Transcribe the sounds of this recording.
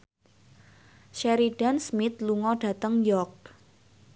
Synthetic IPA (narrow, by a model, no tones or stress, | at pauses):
ʃɛɾiɖ̥ansmɪt̪̚luŋɔɖ̥ä̤t̪əŋjɔk̚